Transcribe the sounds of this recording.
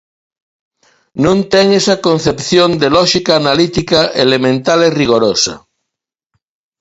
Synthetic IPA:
nũnt̪eŋesakõnθepθjond̪elɔʃikaːnalit̪ikaʔelemẽnt̪aleriɣ̞oɾosa̰

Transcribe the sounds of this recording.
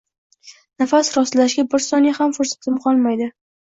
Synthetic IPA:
nafasɾɒslaʃɡʲabɪɾsɒnjhamfʊɾsḁt̪ʰɪmqʰɒlˠmajd̪ɪ

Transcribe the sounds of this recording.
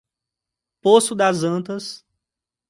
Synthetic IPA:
posʊd̪ɐzɐ̃t̪ɐs

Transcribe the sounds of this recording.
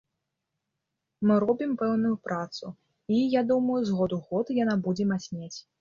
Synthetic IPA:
mɨɾɔbʲimpɛwnujupɾʔat̪su | ijad̪uməjuzɣɔd̪uɣɔt̪janabud͡zʲɛmasʲnʲet͡sʲ

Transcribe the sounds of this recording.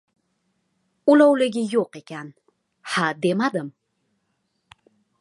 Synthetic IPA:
ʊlawlɪɡʲɪjoqe̞kʲan | had̪e̞mad̪ɪm

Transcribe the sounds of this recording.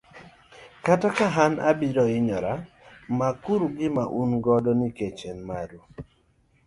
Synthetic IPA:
katakaɦana̰biɾɔɪɲɔɾa | makuɾuɡɪmaʔunɡɔdɔniket͡ʃenmaɾu

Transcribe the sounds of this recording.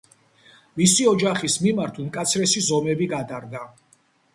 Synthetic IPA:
misiɔd͡ʒaχismimaɾt̪ʰmkʼat̪sʰɾɛsizɔmɛbiɡad̪aɾɡ̪a

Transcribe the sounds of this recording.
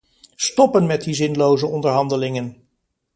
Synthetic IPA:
stɔpənmɛt̚dizɪnlowzəɔndəɹɦɑndəlɪŋən

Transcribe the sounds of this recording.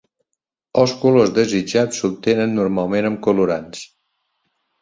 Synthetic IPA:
əlˠskulozd̪əzid͡ʒasub̚t̪enənːuɾmalˠmenəmkuluɾans

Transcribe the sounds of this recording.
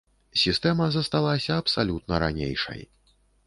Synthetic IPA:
sʲist̪ɛmɐzɐst̪alˠasʲɐːpsalʲut̪̚nɐɾa̰nʲḛjʂɐ̰j

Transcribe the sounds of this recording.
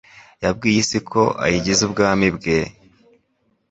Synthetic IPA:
jab̚ɡiːjisikʰo̞̰ʔa̰jiɟizubɡaːmibɡe

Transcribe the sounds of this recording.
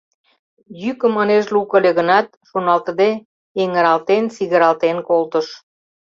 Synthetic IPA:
jykəməneʃlukəleɣənɑt̪̚ʃonɑlt̪əd̪e | eŋəɾɑlt̪ent͡siɣəɾɑlt̪enkolt̪əʃ

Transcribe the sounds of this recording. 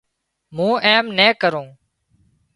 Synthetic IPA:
mũːʔeːmnɛːkəɾõː

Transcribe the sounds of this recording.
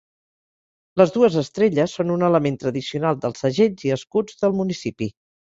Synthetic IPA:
ləzðuəzəst̪ɾeʎəsːonunələment̪ɾəðisiunalˠd̪əlˠsəʒeʎziəskud͡zðəlˠmunisipi

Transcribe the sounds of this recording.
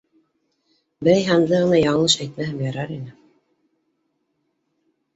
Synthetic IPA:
bɘ̆ɾæjɦɑnd̪ɤʁɤ̆nɑjɑɴlˠɤʃæjt̪mæɦɘmjɑɾɑɾinɘ

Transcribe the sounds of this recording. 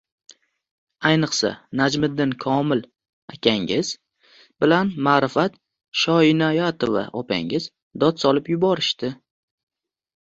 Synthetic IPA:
ajnɨqsa̰nad͡ʒmɪd̪ːɪnkʰɒmɪl | akʲʰaŋɪz̥ | bɪlanmaɾɪfat̪ | ʃɒɪnajat̪ʰova̰ʔɒpʰa̰ŋɪz | d̪ɒt̪sɒlɪpjʊbɒɾɪʃt̪ɪ

